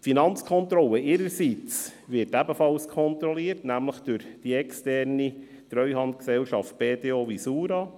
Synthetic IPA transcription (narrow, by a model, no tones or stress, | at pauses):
finɑnt͡skʰɔnt̪ɾɔlːəʔɪɾəɾsit͡sʋɪtæbəfɑlskʰɔnt̪ɾɔliːəɾtnæmləχd̥ʊɾd̥iɛkstɛrni | t̪ɾœʏhɑnd̪ksɛwʃɑft̚peːteoʋisuːɾɑ